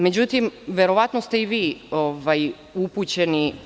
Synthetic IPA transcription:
me̞d͡ʑut̪imʋeɾo̞ʋat̪nost̪e̞iʋiːovaj | uput͡ɕeni

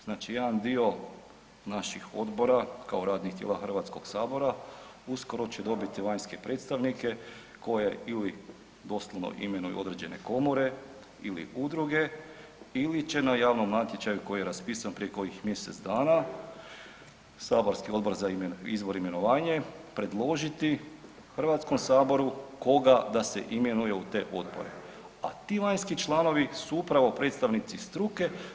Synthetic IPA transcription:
znaːt͡ʃijed̪and̪io̞ | naʃixo̞d̪bo̞ɾakaoɾaːd̪nixt̪jḛlaxr̩ʋat̪sko̞ɡ̥saːbo̞ɾausko̞ɾo̞t͡ɕed̪o̞bit̪iʋaɲske̞pɾe̞ːt̪st̪aʋnike̞ | ko̞jeili | d̪o̞slˠoʋno̰ʔḭme̞nujṵo̞̰d̪ɾe̞d͡ʑe̞ne̞̰ko̞mo̞ɾe̞ | ilḭʔud̪ɾuɡe̞ | ilit͡ɕe̞najaːʋnomnat̪je̞t͡ʃajuko̞jijeɾaspiːsanpɾijeko̞jixmje̞set̪zd̪aːna | saːbo̞ɾskio̞d̪bo̞ɾzaiizʋo̞ɾime̞no̞ʋaːɲe̞pɾe̞d̪lˠo̞ʒit̪i | xr̩ʋaːt̪sko̞msaːbo̞ɾuko̞ɡad̪ase̞̰ʔime̞nuje̞ut̪e̞ʔo̞d̪bo̞̰ɾe̞̰ | a̰t̪iːʋaɲskit͡ʃlˠano̞ʋisuupɾaʋo̞pɾet̪st̪aʋnit̪sist̪ɾuke̞

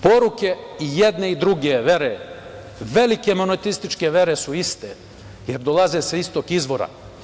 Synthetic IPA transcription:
po̞ɾuke̞ijed̪neid̪ɾuɡeʋe̞ɾe | ʋe̞like̞monot̪ist̪it͡ʃke̞ʋe̞ɾesuist̪e | jeɾd̪olazeseist̪okizʋo̞ɾa̰

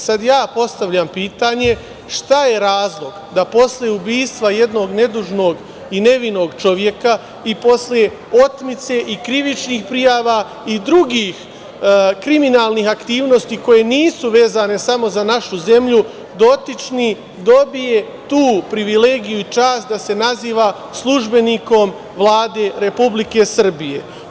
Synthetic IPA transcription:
sad̪jaːpo̞st̪aʋʎampiːt̪aɲe̞ | ʃt̪aje̞ɾaːzlˠo̞ɡd̪apo̞sljeubiːst̪ʋaje̞d̪no̞ːɡne̞d̪uʒno̞ːɡ | ine̞ʋino̞ːɡt͡ʃo̞ʋje̞ka | ipo̞slje̞ | o̞t̪mit̪se̞ʔikɾiʋit͡ʃniːxpɾijaːʋa | id̪ɾuɡiːx | kɾiminaːlˠniːxakt̪iːʋno̞st̪iːko̞je̞niːsuʋe̞ːzane̞samo̞zanaʃuze̞mʎu | d̪o̞t̪it͡ʃni | d̪o̞bije̞ | t̪uːpɾiʋile̞ːɡijuit͡ʃaːst̪̚d̪ase̞naziːʋa | slˠuʒbe̞niːko̞m | ʋlˠaːd̪e̞ːɾe̞publike̞sr̩bije̞̰

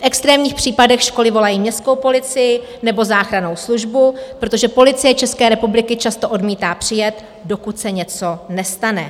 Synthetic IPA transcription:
fʔɛkst̪ɾɛːmɲiːxpr̝̥iːpadɛxʃko̞lɪvo̞lajiːmɲɛst̪ko̞wpo̞lɪt͡sɪjɪ | nɛbo̞zaːxɾano̞wsluʒbupɾo̞t̪o̞ʒɛpo̞lɪt͡sɪjɛt͡ʃɛskɛːɾɛpublɪkɪt͡ʃast̪o̞ʔo̞dmiːt̪aːpr̝̥ɪjɛt̪ | do̞kut̪sɛɲɛt͡so̞nɛst̪anɛ̰

